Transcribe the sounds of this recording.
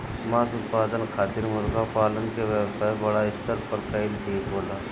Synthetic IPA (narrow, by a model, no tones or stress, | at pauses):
maːsʊt̪̚paːd̪ənkʰaːt̪iɾmʊɾɡapaːlənkeʋjewsaːjbɐɽaɪst̪əɾpəɾkəilʈ̪ʰiːkboːlaː